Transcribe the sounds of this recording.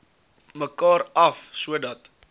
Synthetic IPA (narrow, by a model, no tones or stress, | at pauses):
məkɑːɾɐfsuədɐt